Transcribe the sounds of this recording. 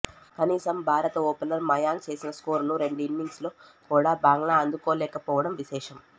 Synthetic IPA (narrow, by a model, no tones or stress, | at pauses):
kɐniːsɐmbʱaːɾɐt̪ɐoːpelɐɾmɐjaːŋɡ̚t͡ʃe̞ːsinɐskoːɾnuɾe̞ɳɖuinːiŋɡsloːkuːɽaːbaːŋɡɳaːɐnd̪ukoːlɛːkɐpɔːʋɐɽɐmʋiʃɛːʂɐm